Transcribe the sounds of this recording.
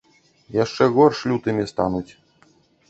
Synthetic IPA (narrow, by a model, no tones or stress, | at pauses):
jaʂt͡ʂɛɣɔrʂlʲut̪ɨmʲist̪anut͡sʲ